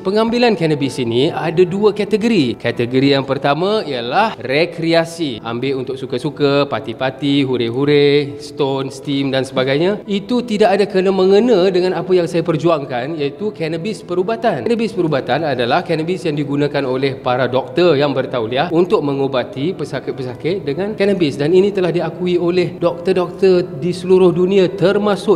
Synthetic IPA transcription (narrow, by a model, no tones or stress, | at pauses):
pəŋambilankɛnəbisiniadaduəkat̪əɡəɾikat̪əɡəɾijaŋpərt̪amãiəlahrekɾiasiʔa̰mbeunt̪ʊk̚sukəsukəpat̪ipat̪iɦuɾeɦuɾest̪onst̪imdansəbaɡajɲãit̪ut̪idakadakənamə̃ŋənãdəŋãnapajaŋsajapərd͡ʒuaŋkanjait̪ukɛnəbɪspəɾubat̪annəbɪspəɾubat̪anadalahkɛnəbɪsjaŋdiɡunãkanolɛhpaɾadɔk̚t̪ərjaŋbərt̪awliahunt̪ʊk̚məŋobat̪ipəsakɪt̪̚pəsakɪt̪̚dəŋãnkɛnəbɪsdaninĩt̪əlahdiakuiolɛhdɔk̚t̪ərdɔk̚t̪ərdisəluɾʊhdunĩat̪ərmãsʊʔ